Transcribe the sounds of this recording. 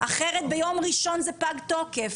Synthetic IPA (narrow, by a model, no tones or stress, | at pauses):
ʔaχeʁet̪̚bejo̞mʁiʃo̞nzɛpaɡt̪o̞kef